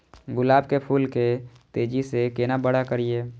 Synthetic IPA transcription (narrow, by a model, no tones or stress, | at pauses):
ɡʊlaːbkepʰuːlke | t̪eːd͡ʒisekeːnabəɽ̤akəɾieː